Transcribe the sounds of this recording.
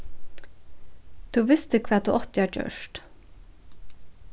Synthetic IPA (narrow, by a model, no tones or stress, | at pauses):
d̪̥ʉːʋɪst̪əkʰʋɛːt̪d̪ʉ̰ːʔɔt̪ɪɑːçø̰ːʃʈ